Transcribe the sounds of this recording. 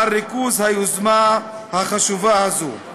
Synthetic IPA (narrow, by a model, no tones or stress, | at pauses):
ɾikuzhajuzma | haχaʃuvahazṵ